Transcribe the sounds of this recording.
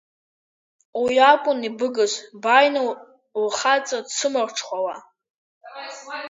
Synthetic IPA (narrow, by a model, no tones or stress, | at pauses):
wiakʷʼʊnibɨɡɨzʷbajna | lχat͡sʼadsʰɨmɨrʷʈ͡ʂʰχʷawa